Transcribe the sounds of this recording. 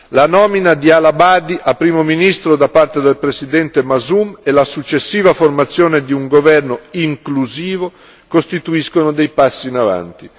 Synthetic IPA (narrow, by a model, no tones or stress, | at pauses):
lanɔːminad̪ialabad̪iʔapɾiːmominist̪ɾod̪apːart̪ed̪elpɾesid̪ɛnt̪emazumelasut͡ʃːesːiːvaformat̪sːjoːned̪iuŋɡovɛrnoiŋkluziːvo | kost̪it̪uiskonod̪ejpasːiːnava̰nt̪i